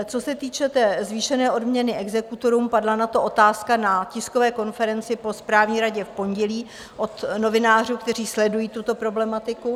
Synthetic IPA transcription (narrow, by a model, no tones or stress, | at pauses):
t͡so̞sɛt̪iːt͡ʃɛt̪ɛːzviːʃɛnɛːʔo̞dmɲɛnɪʔɛɡzɛkut̪o̞ɾuːmpadlanat̪o̞ʔo̞t̪aːskanacɪskovɛːko̞nfɛɾɛnt͡sɪpo̞spɾaːvɲiːɾaɟɛfpo̞ɲɟɛliː | ʔo̞t̪no̞vɪnaːr̝uːkt̪ɛr̝iːslɛdujiːt̪ut̪o̞pɾo̞blɛmat̪ɪku